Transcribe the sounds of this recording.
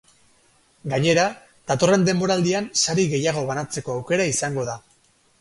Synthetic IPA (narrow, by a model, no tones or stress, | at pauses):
ɡaɲe̞ɾa | t̪at̪o̞re̞nd̪e̞mbo̞ɾald̪iansaɾiɣe̞jaɣ̞o̞βanat͡se̞ko̞awke̞ɾaisaŋɡo̞ða